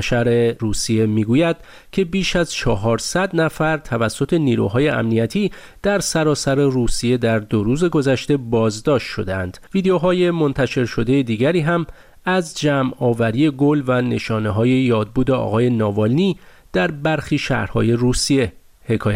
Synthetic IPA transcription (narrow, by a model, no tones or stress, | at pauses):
ʃæɾe̞ɾuːsie̞miːɡuːjæd̪̥̚ | cʰe̞biːʃæzt͡ʃʰɒːɦɒːɾsæd̪næfæɾt̪ʰævæsːo̞t̪ʰe̞niːɾṵɦɒːje̞ʔæ̰mnijæt̪ʰiː | d̪̥æɾsæɾɒːsæɾe̞ruːsije̞d̪æɾd̪oɾuːze̞ɡo̞zæʃt̪e̞bɒːzd̪ɒːʃt̪ʃo̞̰d̪eænd̪̥viːd̪eoɦɒːje̞mo̞nt̪ʰæʃe̞ɾʃo̞d̪ejed̪iːɟæɾiːɦæm | æzd͡ʒæmɒːvæɾiːe̞ɡolvæne̞ʃɒːneɦɒːje̞jɒːd̪̚buːd̪e̞ɒ̰ɣɒːje̞nɒːvɒlniː | d̪̥æɾbæɾxiːʃæ̰hɾhɒ̰ːje̞ruːsie̞ | hekʰɒːj